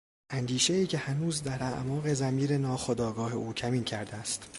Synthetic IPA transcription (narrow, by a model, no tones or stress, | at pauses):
ʔænd̪iːʃe̞iːcʰʲe̞hænuːzd̪æɾæʔmɒːɣe̞zæmiːɾenɒːxod̪ɒːɡɒːhe̞ʔuːcʰæmiːncʰæɾd̪eæst̪